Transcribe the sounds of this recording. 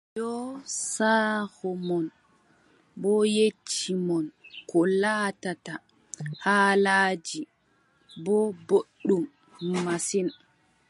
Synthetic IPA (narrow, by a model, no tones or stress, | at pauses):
jɔsaːhɔmɔn | bɔjet͡ʃːimɔnkʰɔlaːtata | haːlaːd͡ʒi | bɔboɗːumː | asin